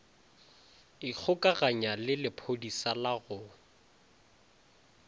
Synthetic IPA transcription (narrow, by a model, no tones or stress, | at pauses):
ɪk͡xʰʊkʼaɣaɲalɪlɪpʰodisalaɣʊ